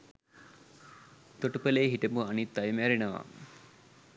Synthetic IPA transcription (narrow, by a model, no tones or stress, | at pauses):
t̪oʈupəleːɦiʈəmuanit̪̚d̪ajmæɾenəʋa̰